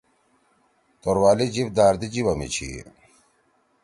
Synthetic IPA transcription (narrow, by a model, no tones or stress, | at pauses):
t̪oɾwaːlid͡ʑifd̪aːɾd̪id͡ʑiwɐmḭt͡ɕʰḭ